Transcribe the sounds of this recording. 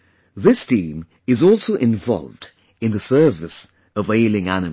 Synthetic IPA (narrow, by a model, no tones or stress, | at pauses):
ðɪstĩːm | ɨzɔˑlˠsoʊʔɪ̃ɱvɒ̰lˠvd | ɨ̃nðɨsɜ˞vɨs | ʌveɪlˠɪ̃ŋænɨ